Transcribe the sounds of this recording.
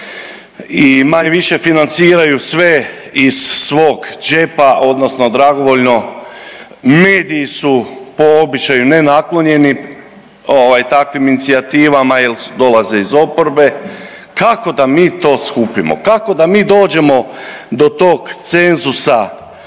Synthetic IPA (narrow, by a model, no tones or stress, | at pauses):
imaɲeʋiʃe̞finant̪siːɾajusʋe̞ | iz̥ːʋo̞ːɡd͡ʒe̞paʔo̞d̪no̞sno̞d̪ɾaɡo̞ʋo̞ʎno̞ | me̞ːd̪iːsupo̞obit͡ʃajune̞naklˠo̞ɲe̞ni | oʋajt̪akʋiminit̪siat̪iːʋamajeld̪o̞laze̞izo̞po̞ɾbe̞ | kako̞d̪amiːt̪o̞ːskuːpimo̰kako̞d̪amiːd̪o̞ːd͡ʒe̞mo̞d̪o̞t̪o̞ːɡt̪se̞nzusa